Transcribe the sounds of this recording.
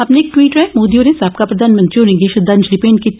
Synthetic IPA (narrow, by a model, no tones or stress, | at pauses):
aːpneeːk̚ʈwiːʈɾɛɦmoːd̪iõnẽsaːp̚kapɾɐd̪ʱaːnmɐ̃nt̪ɾionɪ̃ŋɡeːʃɐd̪and͡ʒlipeːnki